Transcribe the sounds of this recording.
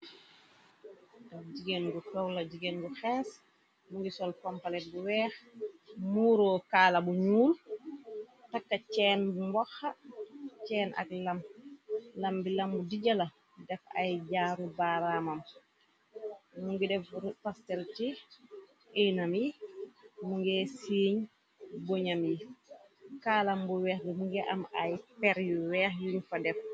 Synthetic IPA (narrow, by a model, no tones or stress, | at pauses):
dɛfd͡ʒiɡenɡufɛwlad͡ʒiɡenɡuxɛːs | muŋɡisɔlpɔmpalɛt̚buwɛːxmuːɾɔkaːlabuɲuːl | takːat͡ʃɛːnbumbɔxat͡ʃɛːnʔa̰klam | lambilambudiɟala | dɛfa̰jd͡ʒaːɾubaɾamam | muŋɡɛdɛfpastɛlti | ʔɛnamji | muŋɡɛsiːɲ | bɔɲamji | kaːlambuwɛːxdumuŋɡɛʔamajpɛɾjuwɛːxjuɲfadɛf